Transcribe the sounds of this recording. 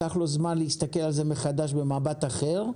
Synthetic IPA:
aχlo̞zmanleist̪ake̞lalzeme̞χad̪aʃbe̞maːbat̪aχeʁ

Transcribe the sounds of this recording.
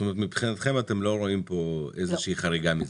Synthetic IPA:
t̪omeet̪mipχinat̪χe̞mat̪e̞mlo̞ɾo̞impo̞ezeʃiiχaʁiɡamiz

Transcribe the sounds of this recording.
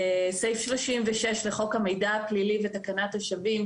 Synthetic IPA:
sejfʃloʃimveʃeʃleχo̞kame̞jdaːklilivetakanatoʃavim

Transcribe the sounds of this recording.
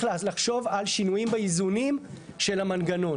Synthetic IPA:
llaχʃo̞valʃinujimbeizunim | ʃe̞lamanɡano̞

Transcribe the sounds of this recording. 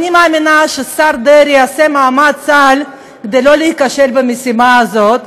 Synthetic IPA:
nimaːminaʃesaɾd̪eɾjiasemaːmadt͡sal | ked̪ejlo̞lehikaʃelbemesimaazo̞t̪

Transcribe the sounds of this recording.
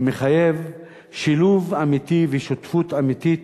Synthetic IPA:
meχaje̞v | ʃiluvamit̪ivɛʃot̪fut̪amit̪it̪

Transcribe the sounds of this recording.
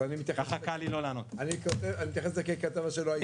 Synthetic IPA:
animit̪jaxaχakalilolaːnot̪anikot̪evanimit̪jaxeslekekat̪avaʃeloaj

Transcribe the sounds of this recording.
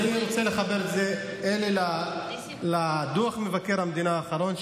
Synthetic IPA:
niʁot͡sele̞χabeʁetzeelila | lad̪uaχmevake̞ʁhamed̪inaːχaʁo̞n

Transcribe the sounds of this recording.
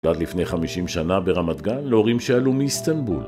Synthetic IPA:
lat̪lifnejχamiʃimʃanabeʁamat̪ɡanleoʁimʃealumiist̪anbṵl

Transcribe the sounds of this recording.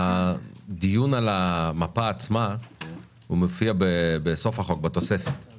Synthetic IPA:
ad̪ijunalamapaːt͡sma | humofiabebeso̞fhaχo̞k̚bat̪o̞sefet

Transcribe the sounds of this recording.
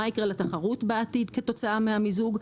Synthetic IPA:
aikʁelat̪aχaʁutbeat̪id̪keto̞t͡saameamizuɡ

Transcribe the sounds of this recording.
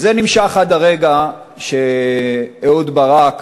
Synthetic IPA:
zenimʃaχad̪aʁeɡa | ʃe | eod̪baʁak

